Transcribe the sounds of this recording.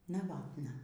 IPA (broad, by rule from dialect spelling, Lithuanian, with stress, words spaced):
nɐˈʋɑːtnɐ